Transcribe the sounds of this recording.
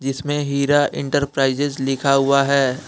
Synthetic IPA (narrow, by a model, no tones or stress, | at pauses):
d͡ʒɪsmẽɦiːɾaʔɪ̃ɳʈəɾpɾaːɪzɪzlɪkʰaɦʊaɦɛː